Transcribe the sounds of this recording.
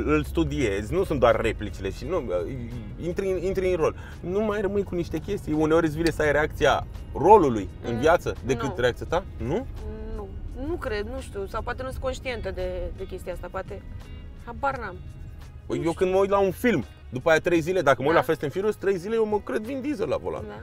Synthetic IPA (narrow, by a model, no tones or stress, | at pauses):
ɨlst̪ud̪ie̞zʲnusunt̪d̪oarːe̞plit͡ʃile̞ʃinuə̰ | int̪ɾinint̪ɾeɨnro̞l | numajrəmɨnkuniʃt̪e̞kʲe̞st̪ijuneoɾʲɨs̬ʲvinesəajɾe̞akt̪sija̰ | ro̞luluj | ɨ̰nviat̪səd̪e̞ɨt̪ɾe̞akt̪ijat̪anununukɾed̪nuʃt̪ʲusawpoat̪enusɨko̞nʃt̪ient̪əd̪ed̪ekʲe̞st̪iaast̪apoat̪e | abarnam | əjje̞wkɨnd̪məuj̪launfilm | d̪upajat̪ɾe̞jzile̞d̪akəməujlafest̪enfiɾust̪ɾe̞jzilejewməkɾe̞d̪vind̪izela̰vola̰n